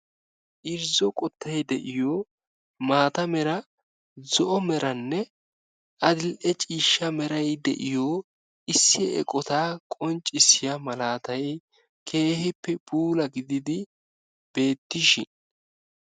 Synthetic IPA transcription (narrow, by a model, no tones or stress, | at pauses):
ʔɪɾzɔkʼɔt̪ʰːɐjd̪ɛʔɪjo | maːt̪ɐmɛɾɐ | zɔʔɔmɛɾɐnːɛ | ʔɐd̪ɪlʔɛt͡ʃʼiːʃːɐmɛɾɐjd̪ɛ̰ʔɪjoː | ɪsːɪɛ̰kʼɔt̪aːkʼɔnt͡ʃʼːɪsɪjɐmɐlaːt̪ɐj | kʰe̞ːhɪpːɛb̥uːlɐɡɪd̪ɪd̪ɪ | b̥e̞ːt̪ːɪʃɪn